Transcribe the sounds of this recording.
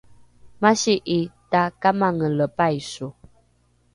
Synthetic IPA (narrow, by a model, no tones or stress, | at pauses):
maʃiʔitakamaŋələpajsu